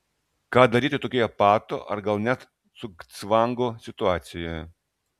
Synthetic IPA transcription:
kɑːd̪ɐɾʲiːt̪ʲɪt̪oːkʲoːjɛpɑːt̪o̰ːʔɐ̰ɾɡɐlˠnʲɛt̪ | sʊkt̪sʋɑŋɡoːsʲɪt̪ʊɑːt̪sʲɪjoːjɛ

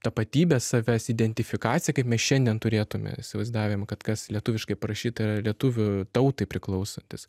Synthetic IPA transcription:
t̪ɐpɐt̪ʲiːbʲeːssɐʋʲæsɪd̪ʲɛnʲt̪ʲɪfʲɪkɑːt͡ssʲɪjɛkɐɪpmʲɛsʃʲɛnʲd̪ʲiɛnt̪ʊɾʲeːt̪ʊmʲɛ̰ɪ̰sʲɪʋɐɪzd̪ɑːʋʲejmkɐt̪kɐslʲiɛt̪ʊːʋʲɪʃkɐɪpɐɾɐʃʲiːt̪ɐiːɾɐlʲiɛt̪uʋʲʊt̪ɐʊt̪ɐɪpʲɾʲɪklˠɐʊsɐnʲt̪ʲɪs

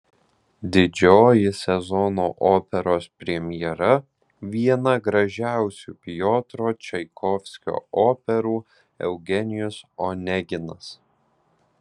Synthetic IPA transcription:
d̪ʲɪd͡ʒʲoːjɪsʲɛzɔnoːʔoːpʲɛɾoːspʲɾʲɛmʲɪjɛɾɐ | ʋʲiɛnɐɡɾɐʒʲæˑʊsʲṵːpʲɪjoːt̪ɾoːt͡ʃʲɛɪkʰɔfʲsʲkʲo̰ːoːpʲɛɾuː | ɛ̰ʊɡʲɛnʲɪjʊsonʲɛɡʲɪnɐs

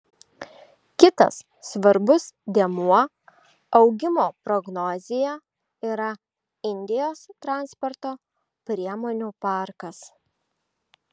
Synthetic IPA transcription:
kʲɪt̪ɐ̰sːʋɐɾbʊsd̪ʲeɛmuɔ | ɐʊɡʲɪmoːpɾɔɡnɔzʲɪjɛ | iːɾɐ | ɪnʲd̪ʲɪjoːst̪ɾɑˑnspɔɾt̪oː | pʲɾʲiɛmoːnʲuːpɑˑɾkɐs

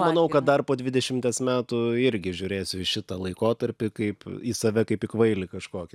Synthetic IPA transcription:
mɐnɐʊkɐt̪̚d̪ɐrpoːd̪ʲʋʲɪd̪ʲɛʃʲɪmʲt̪ʲeːsmʲæːt̪ʊɪɾʲɡʲɪʒʲʊːɾʲeːsʲʊɪʃʲɪt̪ɐlˠɐɪkoːt̪ɐɾʲpʲɪkɐɪpisɐʋʲɛkɐɪpɪkʋɐɪlʲɪkɐʃkoːkʲɪ

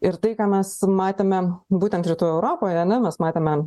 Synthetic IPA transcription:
ɪɾt̪ɐɪkɑːmʲɛsmɑːt̪ʲeːmʲɛbuːt̪ʲɛnt̪ɾʲɪt̪uːjʊɛʊɾoːpoːjɐnʲɛmʲɛsmɑːt̪ʲeːmʲɛ

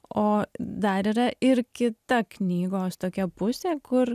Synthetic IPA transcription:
oːd̪ɐɾiːɾɐʔɪɾkʲɪt̪ɐknʲiːɡoːst̪oːkʲɛpʊsʲeːkʊɾ

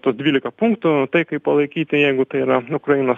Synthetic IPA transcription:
t̪uɔsd̪ʲʋʲiːlʲɪkɐpuŋkt̪ʊt̪ɐɪkɐɪppɐlˠɐɪkʲiːt̪ʲɪjɛɪɡʊt̪ɐɪiɾɐʊkɾɐjinoːs

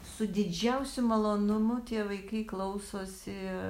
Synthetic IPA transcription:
sʊd̪ʲɪd͡ʒʲɛʊsʲʊmɐlˠoːnʊmʊt̪ʲiɛʋɐɪkɐɪklˠɐʊsoːsʲɪ

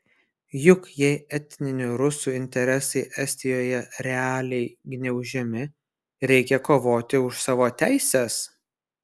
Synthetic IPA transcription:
jʊkjɛɪɛt̪ʲnʲɪnʲʊɾʊsuːɪnʲt̪ʲɛɾʲɛsɐɪʔɛsʲt̪ʲɪjoːjɛɾʲɛɑːlʲɛɪɡʲnʲɛʊʒʲɛmʲɪ | ɾʲɛɪkʲɛkoːʋoːt̪ʲɪʊʃsɑːʋoːt̪ʲæˑɪsʲɛs

